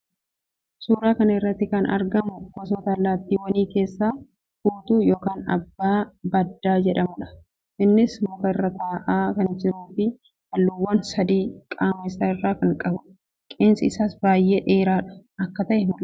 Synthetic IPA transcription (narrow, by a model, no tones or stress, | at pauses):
suːɾaːkɐnɐɪrːɐt̪ːɪkɐnɐ̰ɾɡɐmʊkɔsɔt̪alːaːt̪ːiːwɐniːke̞ːsːaː | fuːt̪uːjo̞ːkaːnɐ̰bːaːbɐd̪ːaːd͡ʒɛᶑɐmʊᶑɐ̥ | ʔɪnːɪsmʊkɐɪrːɐt̪aːʔaːkɐnd͡ʒɪɾuːfɪ | hɐlːuːwːɐnsɐd̪iːkʼaːmeːsaːɪrːaːkɐŋkʼɐbʊ | kʼe̞ːnsɐɪsaːsbaːjːeːᶑe̞ːɾaːᶑɐ̥ɐkːɐt̪ɐʔɛmʊl